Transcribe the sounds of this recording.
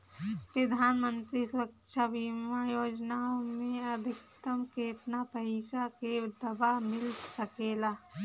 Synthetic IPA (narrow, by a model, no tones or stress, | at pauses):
pɾəd̪ʱaːnmə̃nt̪ɾisəkʃʰabiːmajoːd͡ʒnaomẽɐd̪ʱɪkt̪əmkeːt̪napəɦisaked̪ɐbamɪlsəkeːlaː